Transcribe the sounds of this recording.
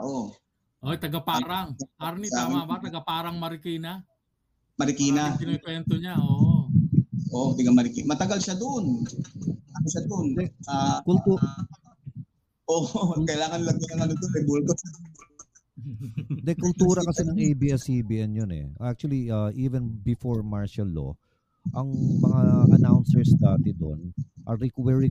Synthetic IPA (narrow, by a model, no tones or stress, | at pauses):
ʔo | ʔot̪ɐɡɐpaɾaŋaɾniamabat̪ɐɡapaːɾaŋmɐɾɪkiːna | mɐɾɪkinasɪnokwɛnt̪oɲaʔoʔʔ | ʔoʔd̪ɪɡɐmɐɾɪkimɐt̪ɐɡalʃad̪oʔon | ɐt̪ɐɡalʃad̪ond̪ɛakult̪u | ʔokɐjɪlaːŋɐnlɐɡɐnɐŋɐnod̪onɛbult̪osɐd̪ɐɡ̪ʊl | d̪ɛkʊlt̪uːɾɐkɐsɛnɐŋejbiːɛsibiʔɛnjonɛ̰ʔak̚t͡ʃuɐliɐʔiːvɛnbɪfoɹmaɹʃɐlːo̰ | ʔɐŋmɐŋaʔɐ̰nawnsɛɹsd̪aːt̪ɛd̪o̰nʔɐɾɛkwɛɹi